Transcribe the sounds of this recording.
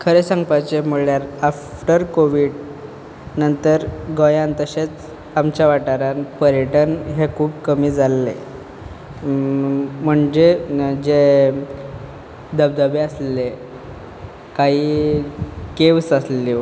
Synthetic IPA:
kʰəɾesaŋɡpat͡ɕem̤uɭɭjaɾafʈəɾkoʋiːɽ | nənt̪əɾɡojãnt̪əɕet͡s | amt͡ɕjaʋaʈaɾanpəɾjəʈənɦekʰuːbkəmiːd͡zalːḛ | m̤əɳd͡ʑed͡ʑe | d̪əb̚d̪əbeəsle | kaɦiː | keʋsəsliʋ

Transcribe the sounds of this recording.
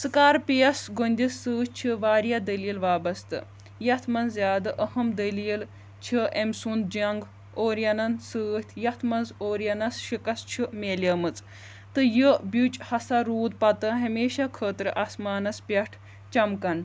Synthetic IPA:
sɨkaːɾpijɐsɡonʲd̪ʲisːɨːt͡ʃʰiʋaːɾjad̪ɐliːlʋaːbɐst̪ɨ̰ | jɐt̪ʰmɐnzʲaːd̪ɨʔɐhɐmd̪ɐliːl | t͡ʃʰiemsund̪̚d͡ʒɐŋɡ | oːɾjɐnɐnsɨːt̪ʲʰjɐt̪ʰmɐnzoːɾjɐnɐsʃikɐst͡ʃʰimeːlʲɐːmɨt͡sʼ | t̪ɨjɨbʲut͡ʃʼhɐsaɾuːd̪̚pɐt̪ɨɦɐmeːʃakʰəːt̪ɾɨʔaːsmaːnɐspʲɐʈʰ | t͡ʃɐmkɐn

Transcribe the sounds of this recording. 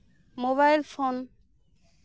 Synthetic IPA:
moβajlfon

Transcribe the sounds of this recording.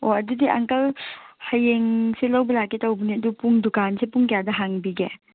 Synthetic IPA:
oɐdudiʔɐ̰ŋkɐlhajeŋselɐwbɐlakːitɐwbɐniɐdupuŋdukansepuŋkɐjadɐɦaŋbiɡḛ

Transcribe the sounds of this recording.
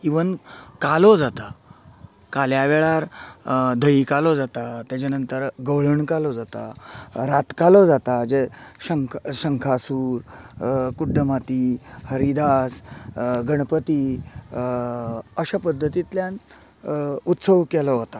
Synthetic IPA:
iʋənkalɔd͡zat̪a | kaljaʋeɭaɾ | d̪ʱəikalɔd͡zat̪at̪jat͡ɕanənt̪əɾɡəwɭəɳkalɔd͡zat̪a̰ɾat̪kalɔd͡zat̪ad͡zeɕəŋkʰɕəŋkʰasuːɾ | kuɖːəmat̪ihəɾid̪asɡəɳ̃pət̪iː | əɕapəd̪ʱːət̪it̪ljãn | ut̪səʋkɛlɔɦot̪a

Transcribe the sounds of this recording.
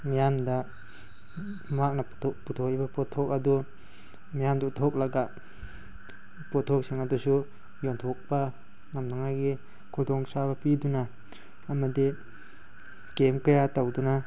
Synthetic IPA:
mijamdɐ | mak̚nɐ | putʰokibɐpɔtʰːok̚ɐdu | mijamdautʰok̚laɡa | pɔtʰok̚siŋadusu | jontʰok̚bɐ | ŋamnaŋaɡi | kʰudɔŋsabɐpidunaː | mɐdi | kemkɐjatawduna

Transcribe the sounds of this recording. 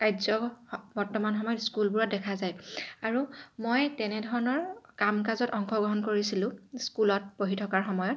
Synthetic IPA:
kajzɔbɔɹtɔmanxɔmɔjɔtskulbuɹɔt̚dɛkʰazajaɹumojtɛnɛdʱɔɹɔnɔɹkamkazɔtɔŋkʰɔɡɹɔɦɔnkoɹisilʊ̃skulɔt̚poɦitʰɔkaɹxɔmɔjɔt̚

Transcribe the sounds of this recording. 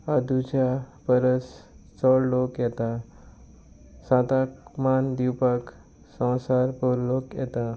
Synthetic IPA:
ad̪ud͡ʑapəɾəst͡sɔɽlokjɛt̪a | sãt̪akmand̪ipək | sə̃w̃saɾpɔɾlokjɛt̪a

